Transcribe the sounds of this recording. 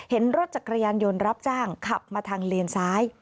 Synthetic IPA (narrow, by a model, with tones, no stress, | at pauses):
he˩˦nɾo˦˥t̪̚t͡ɕa˨˩kɾa˧jaː˧njo˧nɾa˦˥p̚t͡ɕaː˥˩ŋkʰa˨˩p̚maː˧t̪ʰaː˧ŋleː˧nsaː˦˥j